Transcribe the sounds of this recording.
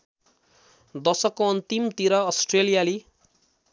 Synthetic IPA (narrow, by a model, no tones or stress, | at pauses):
d̪ʌsʌkːoʌnt̪imt̪iɾʌːsʈrelijali